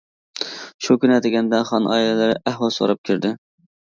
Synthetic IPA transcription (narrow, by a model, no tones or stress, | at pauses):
ʃukʲynɛd̪ɪɡʲɛnd̪ɛχɑnʔɑ̰ːilɛlɪɾɪʔæɦwɑso̰ɾɑp̚kʲʰiɾd̪ɪ